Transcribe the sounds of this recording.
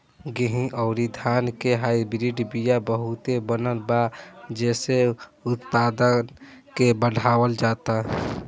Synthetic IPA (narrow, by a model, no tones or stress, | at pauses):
ɡəɦĩʔɔʊɾid̪ʱaːnkeɦaːibɾiɖbijabəɦut̪ebənəlbad͡ʒɛːseʊt̪paːd̪ən | kebəɽʱaːwəld͡ʒaːt̪a